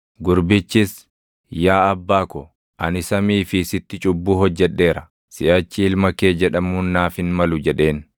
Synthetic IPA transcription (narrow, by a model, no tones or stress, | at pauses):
ɡʊɾbɪt͡ʃːɪs | jaːɐbːaːkɔ | ʔɐnɪsɐmiːfɪsɪt̪ːɪt͡ʃʼʊbːuːɦɔd͡ʒːɛᶑːe̞ːɾɐ | sɪʔɐt͡ʃːɪɪlmɐke̞ːd͡ʒɛᶑɐmuːnːaːfɪnmɐlʊd͡ʒɛᶑe̞ːn